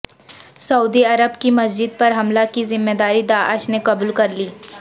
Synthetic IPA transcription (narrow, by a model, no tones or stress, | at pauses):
sɐuːd̪iɐɾəbkimɐsd͡ʒɪd̪̚pɐɾɦɐmlakizɪmːed̪aːɾid̪aːʔəʃnekɐbuːlkɐɾliː